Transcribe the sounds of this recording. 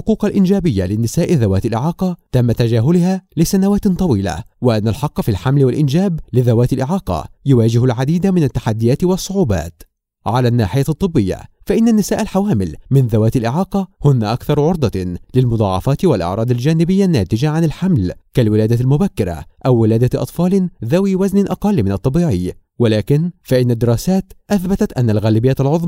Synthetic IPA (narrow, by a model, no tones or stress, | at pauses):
lħʊquːqalʔɪnd͡ʒaːbɪjːalɪnːɪsaːʔɪðawaːt̪alʔɪʕɑːqɑt̪amːat̪ad͡ʒaːɦʊlɪhaːlɪsanawaːt̪t̪ˤːɑwiːla̰wɪʔanːalħɑqːɑfilħamlɪwalʔɪnd͡ʒaːblɪðawaːt̪ɪlʔɪʕɑːqɑ̰jʊwaːd͡ʒɪhʊlʕad̪iːd̪amɪnat̪ːḁħad̪ːɪjaːt̪ɪwɑsˤːʊʕuːba̰ːt̪ | ʕalaːnːaːħɪjat̪ˤːɨbːɪjːa̰faʔɪnːanːɪsaːʔalħawaːmɪlmɪnðawaːt̪alʔɪʕɑːqɑhʊnːaʔakθɑɾˤʕʊɾˤd̪ˤɑlɪlmʊd̪ˤɑ̰ːʕɑ̰fɑːt̪ɪwalʔɑ̰ʕɾˤɑːd̪ald͡ʒaːnɪbɪjːanːaːt̪ɪd͡ʒaʕanɪlħamlkalwɪlaːd̪almʊbakːɪɾa̰ʔawːɪlaːd̪aʔɑ̰t̪ˤfɑːlðawiːwaznɪʔɑqɑlːmɪnɑt̪ˤːɑbiːʕɪː | walaːkɪnfaʔɪnːad̪ːɪɾɑːsaːt̪ʔaθbat̪at̪ʔanːalɣaːlɪbɪjːalʕʊðˤm